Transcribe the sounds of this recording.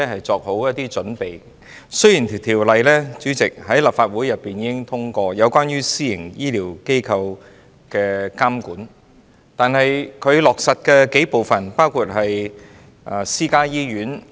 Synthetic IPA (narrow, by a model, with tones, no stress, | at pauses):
ɛ˥ɦɐ˨jt͡sɔː˧k̚ho˨˥wjɐ˥t̚t̪iː˥t͡ʃɵ˨˥npe˨j | sɵ˥ɥjiː˨˩ntʰt̪ʰiː˨˩wlɐ˨jlɛː˥t͡syː˨˥t͡sɪ˨k̚ɦɐ˨˥jlɐ˨p̚faː˧t̚wu˨˥jɐ˨pːiː˨njiː˨˥kɪ˥ŋt̪ʰʊ˥ŋkɔː˧jɐ˨˧wkʷaː˥njyː˥siː˥jɪ˨˩ŋjiː˥liː˨˩wke˥jkʰɐ˧w | kɛː˧kaː˥mkuː˨˥n | t̪aː˨nɦɐ˨jkʰɵ˨˧ɥlɔː˨˩k̚sɐ˨t̚kɛː˧ke˨˥jpo˨wfɐ˨npaː˥wkʰuː˧t̚ɦɐ˨j | ʔa˨˩siː˥kaː˥jiː˥ɥyː˨˥n